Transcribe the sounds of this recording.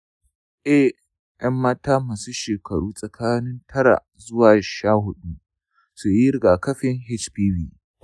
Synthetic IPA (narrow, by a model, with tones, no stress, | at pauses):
ʔɛ˦ | jʔɐ˦mːaː˦taː˦maː˨su˦ʃeː˨kʰɐ˨ɽuː˦sʼɐ˨kʰaː˦nɪ˦ntʰɐ˦ɽa̰˨ | zʊ˦waː˨ʃaː˦˨hʊ˦ɗu˦ | su˨jɪ˦ɾɪ˨ɡaː˨kɐ˦ɸɪ˦ŋɦɪ˦t͡ʃpiː˦wiː˦